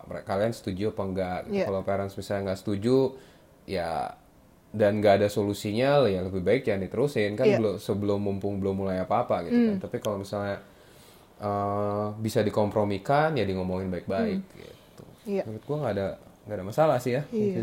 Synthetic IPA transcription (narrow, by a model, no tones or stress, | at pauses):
mekaliansə̥t̪ud͡ʒuopəŋɡaʔɡḭukalopeɾansmisalɲaŋɡaʔsə̥t̪ud͡ʒu | ja̰ | danɡaːdasolusiɲalajaŋləbɪhbaɪk̚janit̪əɾusɪnkanbəlʊsəbəlʊmːumpʊŋbəlʊmːulajapaːpaɡit̪ukant̪apikalomisalɲa | ʔəbisadikompɾomikanjadiŋomoŋɪnbaɪk̚baɪk̚ɡḭt̪ukt̪̚ɡuaŋɡaːdaŋɡaːdamasalahsɪɦja